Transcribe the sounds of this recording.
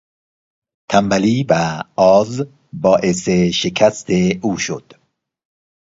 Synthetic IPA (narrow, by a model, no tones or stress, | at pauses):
t̪ʰæmbæliːvæɒːz | bɒːʔeseʃekʰæst̪ʰeuːʃo̰d̪̥